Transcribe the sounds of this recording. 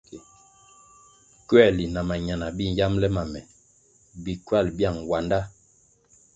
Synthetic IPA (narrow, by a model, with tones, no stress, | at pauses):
kɥɛ˦˨li˨na˨ma˨ɲa˨na˨bi˦n˦ja˦mlɛ˦ma˨mɛ˨ | bi˨kɥa˦˨lbja˦˨ŋwa˨nda˦